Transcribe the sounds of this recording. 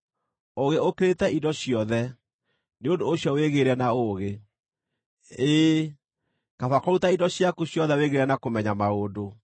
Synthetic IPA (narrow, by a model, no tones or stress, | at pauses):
oɣeokeɾetɛidɔɕiɔðɛ | neondoːɕjɔweɣeɾɛnaoɣe | eː | kafakɔɾutaidɔɕjakuɕjɔðɛweɣeɾɛnakomɛɲamaoːdo